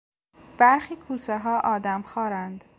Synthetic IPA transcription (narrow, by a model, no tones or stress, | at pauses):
b̥æɾxiːkʰuːseɦɒːʔɒːd̪æmxɒːɾænd̪̥